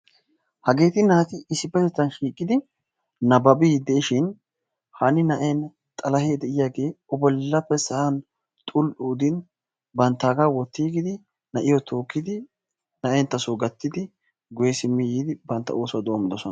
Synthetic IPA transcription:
hɐɡe̞ːt̪ɪnaːt̪ɪɪsɪpːɛt̪ɛt͡s̪ːɐnʃiːkʼːɪd̪ɪ | nɐbɐbid̪ɛɪʃɪn | hɐnɪnɐʔen | t̪ʼɐlɐheːd̪ɛʔɪjaːɡe̞ːɔbɔlːɐpːɛsɐʔɐn | t̪ʼʊlʔuːd̪ɪn | bɐnt̪ːaːɡawɔt̪ːiːɡɪd̪ɪ | nɐʔɪjɔt̪ʰo̞ːkːɪd̪ɪ | nɐʔent̪ɐsoːɡɐt̪ːɪd̪ɪ | ɡʊjɛsɪmːɪjiːd̪ɪbɐnt̪ːɐ̰oːswd̪o̞ːmɪd̪ɔsɔnɐ

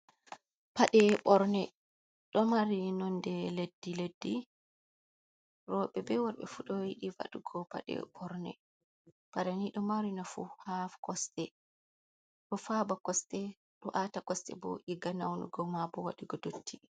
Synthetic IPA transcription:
paɗɛɓɔɾnɛ | ɗɔmaɾinɔndɛledːiledːi | rɔɓɛbɛwaɾɓɛ̰fuɗɔjiɗiva̰ɗuɡɔpa̰ɗɛ̰ɓɔɾnɛ̰ | paɗaniɗɔmaɾinafuhafkɔstɛ | ɗɔfabakɔstɛ | ɗɔʔatakɔstɛ̰bɔ̰ʔiɡanawnṵɡɔmabɔwa̰ɗiɡɔdotʰːi

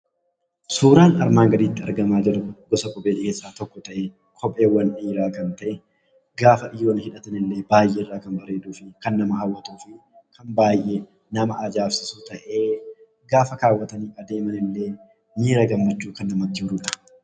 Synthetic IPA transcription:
suːɾaːnɐɾmaːŋɡɐd̪iːt̪ːɪɐ̰ɾɡɐmaːd͡ʒɛɾʊɡɔsɐkɔbeːᶑɪkeːsːaːt̪ɔkːɔt̪ɐʔe | kʰɔpʼe̞ːwːɐnʔiːɾaːkɐnt̪ɐʔɛ | ɡaːfɐᶑɪjːoːnhɪᶑɐt̪ɐnɪlːe̞ːbaːjːʔeːɪrːaːkɐnbɐɾe̞ːᶑ̪uːfɪkɐnːɐmɐɦɐwːɐt̪uːfɪ | kʰɐnbaːjʔe | nɐmɐʔɐd͡ʒaːfsɪsut̪ɐʔeː | ɡaːfɐkaːwːɐt̪ɐniːɐd̪e̞ːmɐnɪlːe̞ː | miːɾɐɡɐmːɐt͡ʃːuːkɐnːɐmɐt̪ːɪhʊɾʊᶑɐ̥

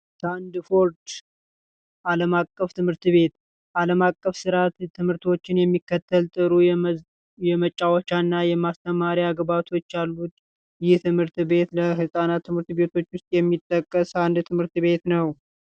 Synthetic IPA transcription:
sand̪fo̞ɾd̪ | ʔaləmakʼːəft̪ʰɨmhɨɾt̪βe̞t̪ | ʔaləmakʼːəfsɨɾat̪t̪ʰːɨmhɨɾt̪ʰo̞t͡ʃːɪnjɛmːikːət̪ʰːəlt̪ʼɨɾu | jɛmət͡ʃʼːawɔt͡ʃːanːajɛmast̪ʰəmaɾiaɡbat̪ʰo̞t͡ʃːjalːut̪ | jɪht̪ʰɨmhɨɾt̪βe̞t̪ləɦɨsʼanat̪ʰːɨmhɨɾt̪be̞t̪ʰo̞t͡ʃːwʊst̪ʼjɛmːit̪ʼːəkʼːəsand̪t̪ʰɨmhɨɾt̪βe̞t̪nəw

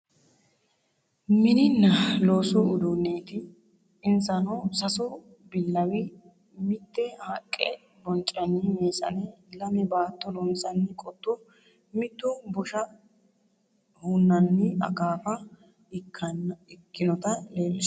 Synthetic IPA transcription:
mɪnɪnːɐloːsɔʊd̪ʊneːt̪ɪ | ɪnsɐnɔsɐsɔ | bɪlːɐwɪ | mɪt̪ːɛhɐkʼːɛ̰ | bɔnt͡ʃʼːɐnɪmeːsɐ̰nɛlɐmɛbaːt̪ːɔlɔnsɐnːɪkʼɔt̪ːɔ | mɪt̪ːɔbɔʃɐ | hʊnːɐnːɪʔɐ̰ɡaːfɐ | ɐnɪkːɪnɔt̪ɐleːlːɪs

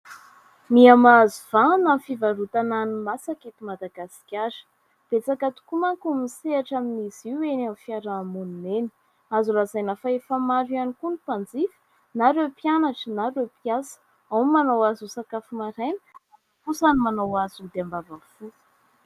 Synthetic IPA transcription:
miamazuvanamfivaɾut̪ananimasaket̪imad̪aɡasi̥kʲaɾə̥ | b̥et͡sakat̪u̥kumaŋkumiseaʈ͡ʂaminiziwenamfiaɾaːmunineni̥ | azulazajnafaefamaɾianikunipand͡zifə̥ | naɾewpjanaʈ͡ʂənaɾewpijasə̥ | awmanawazusakafimaɾanə̥a | kusanimanawazud̪eambavafu̥

